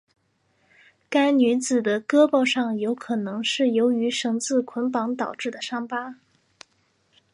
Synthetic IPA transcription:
ka˥ɪny˧˥t͡sɹ̩˨˩d̪ə˦kɤ˥pɑ˥˧ʊʂɑ˥˩ŋjo˧˥ʊkʰɤ˨˩nɤ˧˥ŋʂɻ̩˥˩jo˧˥ʊy˧˥ʂɤ˨˩ŋt͡sɹ̩˥˩kʰwə˧˥npɑ˧˥ŋt̪ɑ˨˩ʊʈ͡ʂɻ̩˥˩d̪ə˩ʂɑ˥ŋpa˥

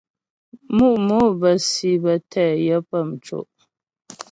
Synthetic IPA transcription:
mu˦˨ʔmo˦bə˨si˨bə˨tʰɛ˦˨jə˦pə˦˨m̩˨t͡ʃo̰˨ʔ

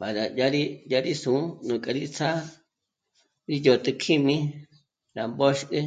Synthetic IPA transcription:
ba˨da˨ja˦ɾi˦ja˧ɾi˦sũ˨˦nũ˨kʼa˨ɾi˦t͡sʰa˦ | ɾi˦jo˨˧t̪ɨ˧kʰi˦mĩ˦ | ɾa˨mbo˦ʃkʼɨ˦

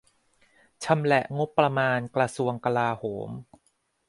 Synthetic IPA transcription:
t͡ɕʰa˧mlɛ˨˩ʔŋo˦˥pːɾa˧maː˧nkɾa˧su˧əŋka˧laː˧hoː˩˦m

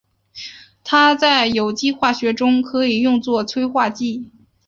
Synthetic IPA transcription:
t̪ʰa˥t͡sa˥˩ɪjo˨˩ʊt͡ɕi˥xwa˥˩ɕɥɛ˧˥ʈ͡ʂʊ˥ŋkʰɤ˧˥i˨˩jʊ˥˧ŋt͡swɔ˥˩t͡sʰwe˥ɪxwa˥˧t͡ɕi˥˩

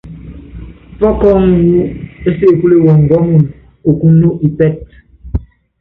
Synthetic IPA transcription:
fɔ˦kɔ˦˨wu˦e˦se˦˨ku˦le˦˨wɔ˨ŋ̩˨ɡɔ˦mu˨n | o˨ku˦no˦ʔi˨pɛ˦˨t̚

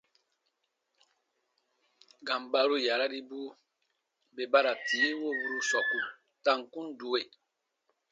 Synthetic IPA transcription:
ɡã˨m˨ba˨ɾu˦ja˨ɾa˦ɾi˦bu˦ | be˨ba˦ɾa˨tiː˨˦wo˦˨bu˦ɾu˧sɔ˨ku˨ | ta˦ŋkũ˦n˦du˨we˨

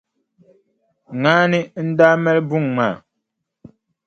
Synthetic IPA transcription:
ŋaː˦nɨ˦n̩˦daː˦mɛ˦lbu˦˨ŋŋ͡maː˨

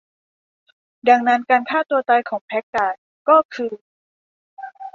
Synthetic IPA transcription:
da˧ŋna˦˥nkaː˧nkʰaː˥˩t̪u˧ɐa˧jkʰɔː˩˦ŋpʰɛ˦˥k̚taː˨˩t̪̚ | kɔː˥˩kʰɯː˧

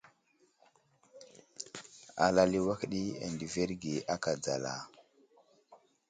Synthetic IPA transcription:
a̰˨la˨li˦wa˦kɗi˦a̰˨ndi˨ve˦ɾɡi˨a˦ka˨d͡za̰˨la̰˨

